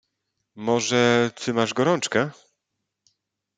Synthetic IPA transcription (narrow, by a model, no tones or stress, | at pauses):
mɔʐɛt͡sɘmaʐɡɔɾɔnt͡ʂkɛ